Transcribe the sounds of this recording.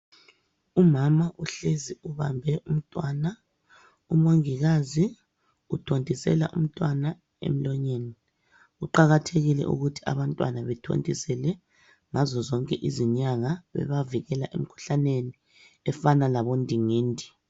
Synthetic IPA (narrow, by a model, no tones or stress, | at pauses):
umamaʔuɬeziuβambʱɛum̩tʼwana | umoŋiɣazi | utʰondʱʼisɛ̰la̰ʔṵm̩tʼwana | ḛm̩lɔɲeːni | uǃaɣatʰeɣilɛ̰ʔṵɣutʰi̥a̰βantʼwa̰naβɛtʰo̰ntʼisɛlɛ | ŋazɔzɔŋkʼɛʔiziɲaŋaβɛ̰βaviɣɛlaʔem̩kʰu̥ɬaneni | ɛfanalaβondʱiŋiːndʱi